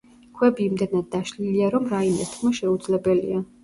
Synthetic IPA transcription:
kʰwɛbiːmd̪ɛnad̪̚ːaʃliliaɾɔmɾaimɛst̪ʰkʰmaʃɛud̪zlɛbɛlḭa

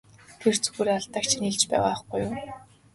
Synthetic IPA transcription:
t̪ʰer̥t͡sɵ̥ɣuːɾeːaɮt̪aːkt͡ɕʰiniɮt͡ɕpæ̰ːʁaːχɡujʊː

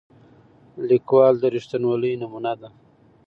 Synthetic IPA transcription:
likwɑːld̪əɾiʂt̪anwaləjnamunad̪a

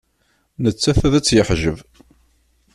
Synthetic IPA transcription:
nət͡sːæθæðæt͡sːjəħʒəv

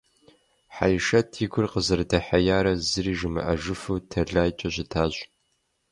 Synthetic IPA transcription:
ħajɪʃɐtʰiɡʷʊrqəzɨrdɐħajaːɾɐzɨɾiːʒɨmɨ̰ʔɐʒɨfuːtʰɐɮaːjt͡ʃʼɐɕʼɪtʰaːɕʼ

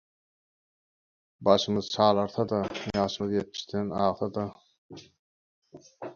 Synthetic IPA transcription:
bɑʃɯmɯðt͡ʃʰɑːlˠɑɾθɑd̪ɑjɑːʃɯmɯðjet̪̚mi̥ʃt̪ʰenɑːʁθɑd̪ɑ

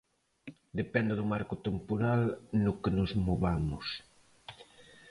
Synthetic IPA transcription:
d̪epɛnd̪ɪðʊmaɾkʊt̪empoɾalnʊkenʊzmoβamʊs

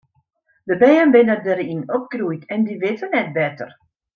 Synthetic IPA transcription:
dəbɛːənbɪnədəɾinɔp̚krujkɛndiʋɪtʰənɛt̚bɛtə̰r

